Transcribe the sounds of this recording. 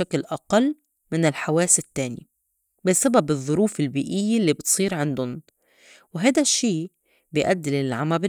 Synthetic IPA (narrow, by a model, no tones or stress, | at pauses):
æklʔɑqɑlː | mɪnɪlħawæːsɪt̪ːæːnjḭ | bɪsæbæbɨðˤːoɾuːfelbiːʔɪjːelːiːbet̪sˤiːɾʕand̪ʊn | wɪɦæːd̪æʃːeː | bejʔæd̪ːɪlɪlʕamæb